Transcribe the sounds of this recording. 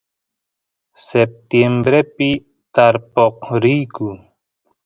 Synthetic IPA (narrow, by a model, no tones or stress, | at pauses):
sep̚t̪embɾepi | t̪aɾpoqɾiku